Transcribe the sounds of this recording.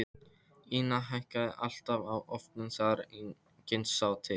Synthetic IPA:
iːnaɦajhkaðɪʔal̥t̪avawɔft̪nɪnsaɾi | cɪnsaːwt̪ʰɪ

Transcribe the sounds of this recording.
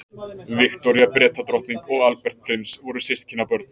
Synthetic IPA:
vɪkt̪ɔɾjapɾɛːt̪at̪ɾɔht̪niŋkɔɣalpɛr̥t̪̚pʰɾɪmsvɔɾʏ̥sɪst̪̚cʰɪnːapœɾt̪̚n̥

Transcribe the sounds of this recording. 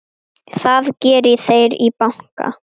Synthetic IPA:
θaðcɛːɾɪθejɾipawŋ̥ka̰

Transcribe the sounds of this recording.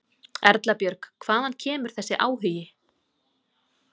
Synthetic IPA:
ɛ̰ɾt̪lapjœɾkkʰv̥aːðancʰɛːmʏɾ̥θɛsːɪʔaːwɦʏjɪ

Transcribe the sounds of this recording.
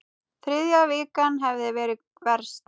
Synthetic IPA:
θɾʏðjavɪːkanɦɛvðɪvɛːɾɪ | vɛɾ̥st̪

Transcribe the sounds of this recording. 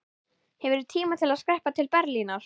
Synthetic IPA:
hɛvɾɛɾʏt̪ʰiːmat̪ʰɪlaðskɾɛhpat̪ʰɪlpɛɾlinaɾ̥

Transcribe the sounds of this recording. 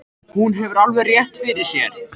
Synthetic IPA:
hunɦɛvʏɾalvɛrjɛht̪fɪɾɪɾ̥sjɛ̰ɾ̥

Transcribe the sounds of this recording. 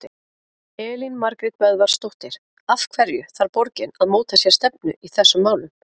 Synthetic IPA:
ɪ | ɛːlinmaɾkɾɪt̪vɛðvaɾ̥st̪owht̪ɪɾ̥ | afkʰvɛɾjʏθaɾpɔɾcɪnaðmoːwt̪asjɛɾst̪ɛp̚nʏ̰ʔiθɛsːʏmːaːwnʏm

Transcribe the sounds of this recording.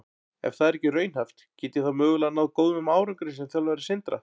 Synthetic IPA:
ɛ̰fθaðɛɾɛcːɪrœːɥnhaft̪cɪːt̪ɪθaðmœːɣʏlanawðkoːwðmʏmaːwɾʏŋkɾɪs̬ɛmθjawlvajɾɪsɪnt̪ɾa̰

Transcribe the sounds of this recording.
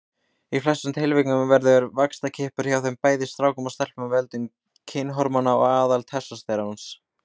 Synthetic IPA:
iflɛsːʏmt̪ʰɪlvɪknʏmvɛɾðʏɾvakst̪acʰɪhpʏɾ̥çjawθempaːjðɪst̪ɾaːwkʏmast̪ɛl̥pmavɛlt̪ʏm | cʰɪnːɦɔɾmanaɔɣaːðalt̪ʰɛsːast̪ejɾaans

